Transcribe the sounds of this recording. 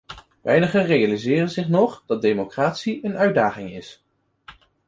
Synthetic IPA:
ʋɛjnəχənrejalizɪːrənzɪχnɔχd̥ɑt̚dejmokraːtsiənœɥdaːχɪŋɪs

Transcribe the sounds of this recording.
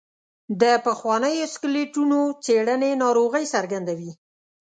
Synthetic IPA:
d̪əpəxwɑnəjoskɪleʈunot͡seɽənenɑɾoɣəjsaɾɡand̪awi

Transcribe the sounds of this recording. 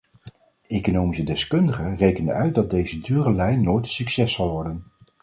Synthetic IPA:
ejkonowmisədɛskɵndəχərejkənə̰nœɥt̚dɑd̚dejzədyːrəlɛjnnːojtsyksɛsɑlˠʋɔɹdən

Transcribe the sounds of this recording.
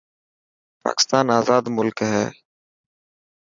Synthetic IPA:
pa̰ːkɪ̥st̪aːnaːzaːd̪mʊlkɦɛ̰ː

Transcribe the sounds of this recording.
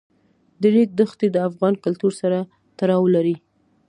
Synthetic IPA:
d̪əɾik̚d̪əxt̪ed̪əafɣɑnkalt̪uɾsaɾa | t̪aɾɑwlaɾi

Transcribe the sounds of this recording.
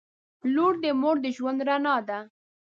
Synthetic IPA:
luɽd̪əmoɽd̪əʒwand̪ɾanɑd̪a

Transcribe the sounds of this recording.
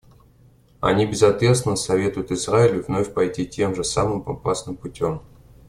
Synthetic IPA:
ɐ̰nʲibʲɪzɐt̪vʲe̞t̪st̪ʲɪnːəsɐvʲe̞t̪ʊjʊt̪ɨzɾaɪlʲʊvno̞fʲpɐjtʲitʲʰe̞mʐɨsamɨmɐ̰pasnɨmpʊtʲo̞m

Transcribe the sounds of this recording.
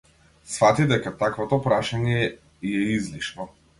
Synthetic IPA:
sfat̪id̪ɛkat̪akvɔt̪ɔpɾaʃaɲɛ | ijɛizliʃnɔ

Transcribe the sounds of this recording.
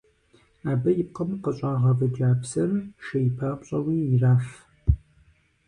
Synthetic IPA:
aːbɐjɪp̚qɐmqɐɕʼaːʁɐvɨd͡ʒaːpsɐrʃɐjɪpʰaːpʷɕʼɐwiːɪraːf

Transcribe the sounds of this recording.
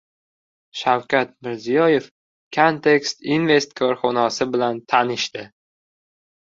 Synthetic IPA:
ʃawkʲat̪̚mɪɾzijɒje̞f | kʰont̪ʰe̞kst̪inve̞st̪kʰoɾχɒnɒsɪbɪlant̪ʰanɪʃt̪ɪ

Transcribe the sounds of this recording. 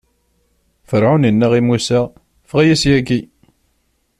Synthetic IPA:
fəɾʕunənːæʁimusæ | fʁæjæsjæɡi

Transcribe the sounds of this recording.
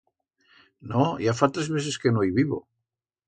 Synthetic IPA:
nojafat̪ɾezβeθeskenoiβiβo̰

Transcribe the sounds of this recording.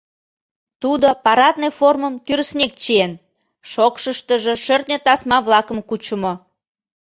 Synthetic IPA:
t̪ud̪opɑɾɑt̪neforməmt̪yɾəsnʲek̚t͡ɕien | ʃokʃəʃt̪əʒĕʃørt̪nʲet̪ɑsmɑβlɑkəmkut͡ɕəmo

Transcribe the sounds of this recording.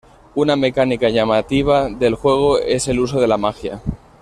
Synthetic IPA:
uname̞kanikaʝamat̪iβ̞aðe̞lxwe̞ɣ̞o̞e̞se̞lus̬o̞ð̞e̞lamaxja̰

